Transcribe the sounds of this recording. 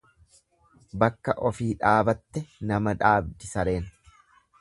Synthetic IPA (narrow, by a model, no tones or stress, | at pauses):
bɐkːɐʔɔfiːᶑaːbɐt̪ːɛnɐmɐᶑaːbd̪ɪsɐɾe̞ːn